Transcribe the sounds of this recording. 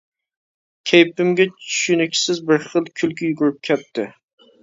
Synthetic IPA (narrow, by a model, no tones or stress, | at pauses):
kʲʰejpɪmɡʲat͡ʃʰʊ̥ʃynɪkʲsɪzbɪɾχɨlˠkʲʰʊlkʲʰɪjʊɡʊɾɪp̚kʲʰɛt̪̚t̪ːɪ